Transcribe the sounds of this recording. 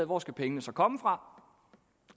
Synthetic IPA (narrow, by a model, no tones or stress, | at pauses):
ð̩ˠʋɒsɡ̥æpʰeŋənəsɒ̽kʰɒ̽məfʁɑ̈